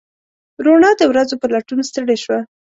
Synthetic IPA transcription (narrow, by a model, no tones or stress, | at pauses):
ɾoɳɑd̪əwɾazopəlaʈunst̪əɽeʃwa